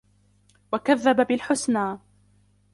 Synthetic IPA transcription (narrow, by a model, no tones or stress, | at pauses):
wakaðːababɪlħʊsnaː